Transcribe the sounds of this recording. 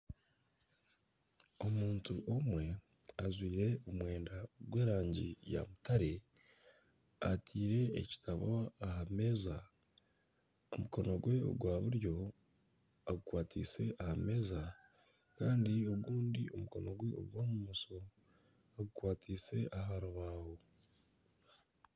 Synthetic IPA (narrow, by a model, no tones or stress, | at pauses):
o̞muːntuʔo̞mwe̞ | azwiːɾe̞omwe̞ːndaɡwe̞ːɾaːɲɟḭja̰mutaɾe̞ | atʰiːɾe̞̰ːci̥tʰaβoaɦame̞ːza | o̰muko̞noɡwe̞o̰ɡwaːβuɾjo̞ | aɡukwaːtʰḭːse̞ʔahame̞ːza | kaːndio̞ɡuːndio̞muko̞no̞ɡwe̞o̰ɡwaːmumuso̞ | aɡukwaːtʰiːse̞ʔaɦaɾoβaːho̞